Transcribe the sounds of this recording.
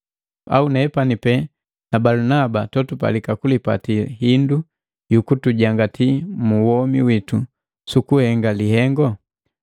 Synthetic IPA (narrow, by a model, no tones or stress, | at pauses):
a̰unɛpanipɛ | nabalunabatɔtupa̰likakulipa̰tiɦindu | jukutuɟaŋɡatʰimuwɔmiwitu | sukuhɛŋɡalihɛŋɡɔ